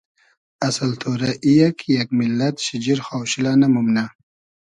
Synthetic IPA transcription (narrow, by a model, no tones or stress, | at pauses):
ɐsɐlt̪ʰoɾaʔijakʰjak̚milːɐt̪ɕid͡ʒiɾxaːwɕilanamumna